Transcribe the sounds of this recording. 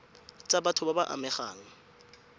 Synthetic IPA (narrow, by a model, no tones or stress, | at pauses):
t͡sʼabatʰʊbabaʔa̰mɛχa̰ːŋ̩